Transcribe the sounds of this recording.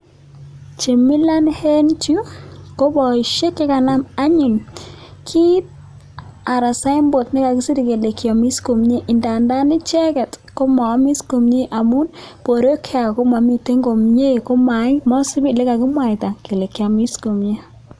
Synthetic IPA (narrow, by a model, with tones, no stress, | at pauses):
t͡ʃe˨mɪ˦la˦nhe˦nt͡ʃu˦ko˦bɔ˨i˨ʃe˦kːɪ˦ka˨na˦ma˦ɲu˨n | kʰi˦t̚ | a˨ɾa˨sa˦ɪ˦mbo˨tnɪ˦ka˨kɪ˦si˦ɾi˨ke˨le˨kjɔ˨mi˦sko˨mɲe˦ʔɪ˨nda˨nda˦nɪ˦t͡ʃɛ˦kɛ˨tko˦ma˨˦mi˦sko˨mɲe˦ʔa˨mʊ˦npo˨ɾo˦kʰe˦a˨ko˦ma˨mi˨te˦ŋɡo˨mɲe˦˨ko˦ma˨ɪ˦mɔ˦si˦bi˦lɪ˦ka˨kɪ˦mwa˨ta˨ke˨le˨ka˨mi˦sko˨mɲe˦